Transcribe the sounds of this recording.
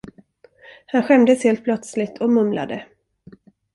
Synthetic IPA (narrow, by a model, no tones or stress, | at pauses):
hanɧɛmd̪əsheːlt̪̚pʰlœt̪slɪt̪ʰɔmɵmla̰d̪ə